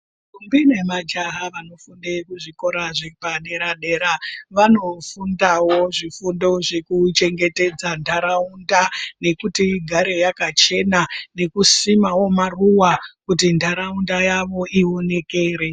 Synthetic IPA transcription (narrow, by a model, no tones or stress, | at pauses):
kumbinemad͡ʒaɦaʋano̞fundekuʐiko̞ɾaʐepaɗe̞ɾaɗe̞ɾaʋano̞fundawo̞ʐifundo̞ʐekut͡ʃe̞ŋɡe̞te̞d͡zandʱaɾaundane̞kutiɡʱaɾe̞jakat͡ʃe̞nane̞kusimawo̞maruwakutindʱaɾaundajaʋo̞ʔio̞ne̞ke̞ːɾe̞